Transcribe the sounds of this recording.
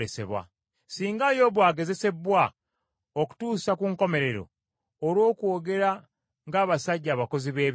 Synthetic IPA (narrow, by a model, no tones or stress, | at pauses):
ese̞̰βwa̰ | siːŋɡajo̞βwaːɡe̞ze̞se̞βwa | oku̥tuːsakuŋko̞me̞ɾe̞ɾo̞̰ː | ɾwo̞ːkwo̞ːɡe̞ɾa | ŋɡaːβasaɟːaːβako̞ziβe̞ː